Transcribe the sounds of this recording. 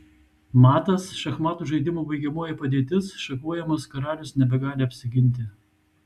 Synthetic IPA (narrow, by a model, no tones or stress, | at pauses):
mɑːt̪ɐsʃɐxmɑːt̪uːʒɐɪd̪ʲɪmoːbɐɪɡʲɛmuːjɛpɐd̪ʲeːt̪ʲɪsʃɐkuɔjɛmɐskɐɾɑːlʲʊsnʲɛbʲɛɡɑːlʲɪɐpʲsʲɪɡʲɪnʲˑt̪ʲɪ